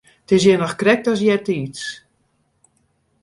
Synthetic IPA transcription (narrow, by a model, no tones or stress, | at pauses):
tɪs̬jɛnɔxkrɛk̚tɔs̬jɛtiːts